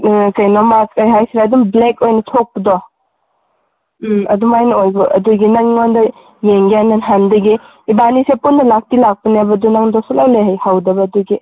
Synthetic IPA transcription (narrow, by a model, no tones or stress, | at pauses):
kɐjnɔmaskajɦajsiɾadumblekojnɐtʰok̚pɐdɔ | ɐdumajnɐojbuʔɐ̰duɡinɐŋɔndɐ | jeŋɡananɦandɐɡiː | banisepunːɐlak̚tilak̚pɐnebɐdunaŋdɔsɔlawleɦajhawdɐbɐːduɡi